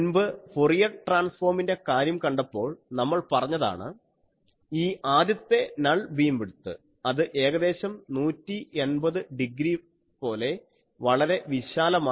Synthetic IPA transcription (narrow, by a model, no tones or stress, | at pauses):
nbɨporijɐʈraːnsfo̞ːrminde̞kaːɾjɐmkɐɳɖɐpːo̞ːɭnɐmːɐɭpɐrɐɲːɐða̰ːɳɨ | iːʔaːd̪jɐt̪ːe̞nɐɭbʱiːmʋiɽut̪ːɨ̰ | ɐðɨʔe̞ːɣɐðe̞ːɕɐmnuːtːie̞nbɐðɨɖiɡɾi | po̞ːle̞ | ʋɐɭɐɾe̞ʋiɕaːlɐmaː